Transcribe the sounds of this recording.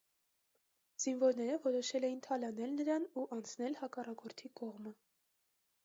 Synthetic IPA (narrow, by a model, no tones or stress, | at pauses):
z̥invɔɾnɛɾəvɔɾɔʃɛlɛjint̪ʰɑlɑnɛlnəɾɑnuʔɑnt͡sʰnɛlhɑkɑrɑkɔɾt̪ʰikɔʁmə